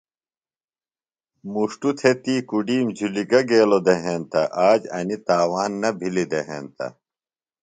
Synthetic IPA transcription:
muʂʈut̪ʰet̪iːkuɖiːmd͡ʑʱuliɡɐɡeːlod̪eɦeːnt̪ɐʔaːd͡ʑɐnit̪aːwaːnːɐbʱilid̪eɦeːnt̪ɐ̰

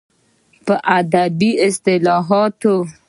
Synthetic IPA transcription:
pəʔad̪abiɪst̪ɪlɔɦɔt̪o

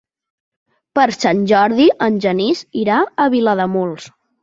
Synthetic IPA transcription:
pəɾsanʲʒɔɾðiʔənʲʒəniziɾaəβiləðəmulˠs

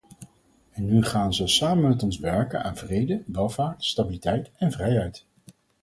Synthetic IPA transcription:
ɛnːyχaːnzɔlˠsaːmənmɛtɔnzʋɛɹkəna̰ːnvrejdəʋɛlˠvaːɹtstabilitɛjtɛnvrɛjɦɛjt

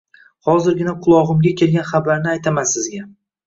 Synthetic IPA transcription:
χɒzɪɾɡʲɪnaqʰʊlˠɒʁɨmɡʲakʲʰe̞lɡʲanχabaɾnɪajt̪ʰamasɪzɡʲa

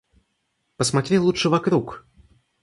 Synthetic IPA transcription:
pəsmat̪ɾʲilˠut͡ʂʂɨvɐkɾuk

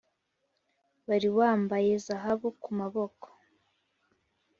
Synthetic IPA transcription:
βaɾiwaːmbaje̞zaɦaβukumaβo̞ko̥

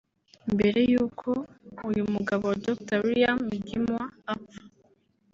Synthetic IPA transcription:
mbe̞ɾe̞juːkʰo̞ujumuɡaβodoktawiɾijamiɡimwaːpḁ

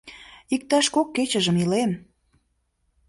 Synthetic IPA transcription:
ik̚t̪ɑʃkokːet͡ɕəʒəmilem

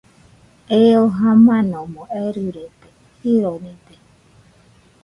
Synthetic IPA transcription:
eoɦãmãnõmõeɾuɾet̪e | hiɾonĩt̪e

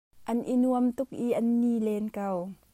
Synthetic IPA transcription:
ʔɐnʔinuəmt̪ʊk̚ʔiʔɐnːiːlɛːnkɐw

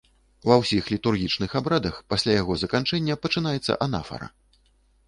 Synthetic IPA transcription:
wɐwsʲixlʲit̪urɣʲit͡ʂnɨxabɾad̪ɐxpasʲlʲajaɣɔzɐkant͡ʂɛnʲːɐpɐt͡ʂɨnajɛt̪sːɐ̰ʔana̰fɐ̰ɾɐ̰

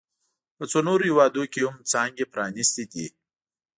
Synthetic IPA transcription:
pət͡sonoɾohiwɑd̪okʲehumt͡sɑŋɡepɾɑnist̪ed̪i

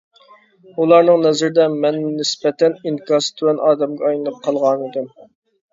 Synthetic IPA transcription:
ulˠɑɾnɨŋnɛzɪɾɪd̪ɛmɛnːnɪspɛt̪ʰɛniŋkʰɑst̪ʰywɛnʔɑːd̪ɛmɡʲɛɑjlɨnɨp̚qʰɑlˠʁɑnid̪ɪm

